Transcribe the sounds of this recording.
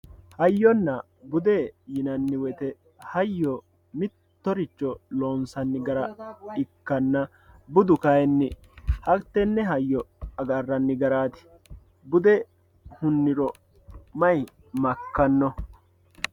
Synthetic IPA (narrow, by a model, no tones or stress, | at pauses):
hɐjːɔnːɐ | bʊd̪ejɪnɐnːɪwɛt̪ɛ | hɐjːɔ | mɪt̪ːɔɾɪt͡ʃːɔloːnsɐnːɪɡɐɾɐɪkːɐnːɐ | bʊd̪ʊkɐjɛnːɪ | hɐt̪ːɛnːɛɦɐjːɔɐɡɐrːɐnːɪɡɐɾaːt̪ɪ̥ | bʊd̪ɛ | hʊnːɪɾɔ | mɐj | mɐkːɐnːɔ